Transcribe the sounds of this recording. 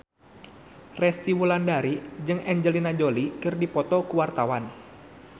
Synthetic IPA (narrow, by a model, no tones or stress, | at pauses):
rɛst̪iwulandaɾid͡ʒɨŋʔɛɲd͡ʒəlinad͡ʒolikɨrdipɔt̪ɔkuwart̪awan